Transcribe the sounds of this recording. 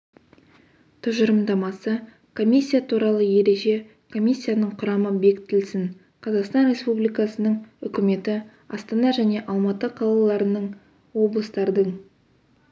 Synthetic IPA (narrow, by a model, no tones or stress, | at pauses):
t̪ʰʊʒəɾəmd̪ɑmɑsə | kʰo̞mʲisʲːijat̪ʰuɾɑlˠəje̞ɾe̞ʒe̞ | kʰo̞mʲisʲːijanəɴqʰʊɾɑməbe̞kʲt̪ːɪlsɪn | qʰɑzɑqst̪ɑnɾʲe̞spublijkɑsənəɴʏkʲɪme̞t̪ɪ | ɑst̪ɑnɑʒæne̞ʔɑlˠmɑt̪əqʰɑlˠɑlˠɑɾənəɴ | wo̞blˠəst̪ɑɾd̪əɴ